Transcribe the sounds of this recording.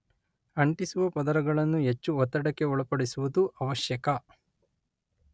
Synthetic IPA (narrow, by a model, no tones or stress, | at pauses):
ɐɳʈisuʋɐpɐd̪ɐɾɐɡɐɭɐnːuɦet͡ʃːuɔt̪ːɐɽɐkːe̞ɔɭɐpɐɽisuʋud̪uʔɐʋɐʃjɐkɐ